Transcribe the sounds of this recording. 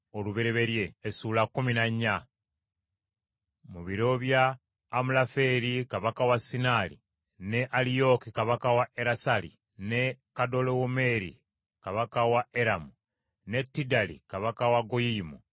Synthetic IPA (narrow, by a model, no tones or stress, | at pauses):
oluβeɾeβe̞ɾje̞ːsulakːuminaɲːa | muβiɾo̞βjaː | mulafe̞ɾikaβakawasinaːlḭ | ne̞ʔalijo̞kikaβakawaeɾasalḭ | ne̞kado̞lowome̞ɾḭ | kaβakawaeɾamu | ne̞tːidalḭkaβakawaɡojiːmu